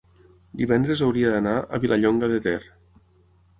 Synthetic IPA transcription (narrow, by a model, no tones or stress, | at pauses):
d̪iβɛnd̪ɾezawɾiad̪anaə̰βilʔaʎoŋɡəðet̪ɛr